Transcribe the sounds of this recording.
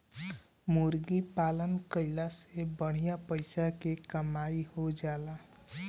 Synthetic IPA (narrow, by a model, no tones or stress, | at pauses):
muɾɡipalənkəjlasebəɽ̤ijapəjsakekəmajhod͡ʒala